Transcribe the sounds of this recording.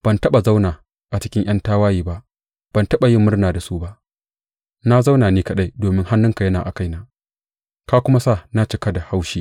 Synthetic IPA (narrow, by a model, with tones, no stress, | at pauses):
b̥ɐ˨ntɐ˦ɓa˨za˦wnaː˨ | ʔa˨t͡ʃɪ̥˦kʲɪ˦ŋʔɐ˦ntaː˦waː˦jiː˦ba˦ʔ | b̥ɐ˨ntɐ˦ɓa˨jɪ˦mːʊ˦rnaː˨da˨su˦ba˦ʔ | na˦za˦wnaː˨niː˦kɐ˦ɗa˦jdoː˨mɪ˦ŋha˦nːʊ˦ŋka˨jɐ˦naː˨ʔa̰˨ka˦jnaː˨ | kaː˦kʷʊ˦ma˦sa˦˨na˦t͡ʃɪ˦ka˦da˨ha˦wʃiː˦